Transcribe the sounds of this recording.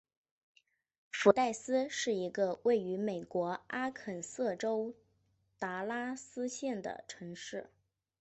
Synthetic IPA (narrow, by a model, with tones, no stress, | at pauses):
fu˧˥t̪a˥˩ɪsɹ̩˥ʂɻ̩˥˩i˧˥ɡə˧we˥˩ɪy˧˥me˨˩ɪkwɔ˧˥a˥kʰə˨˩nsɤ˥˩ʈ͡ʂo˥ʊ | t̪a˧˥la˥sɹ̩˥ɕjɛ˥˩nd̪ə̰˩ʈ͡ʂʰɤ˧˥ŋʂɻ̩˥˩